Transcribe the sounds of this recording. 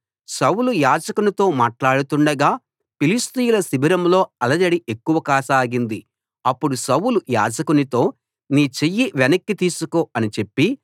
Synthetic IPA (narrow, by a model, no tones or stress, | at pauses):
sɐwulujaːd͡ʒɐkunit̪o̞ːmaːʈlaːɽut̪uɳɖɐɡaː | pilist̪ijulɐsibʱiɾɐmlo̞ːɐlɐd͡ʒɐɽiʔekːuʋɐkaːsaːɡind̪i | ɐpːuɽusɐwuluja̰ːd͡ʒɐkunit̪o̞ː | niːt͡ʃejːiʋenɐkːit̪iːsuko̞ːɐnit͡ʃe̞pːi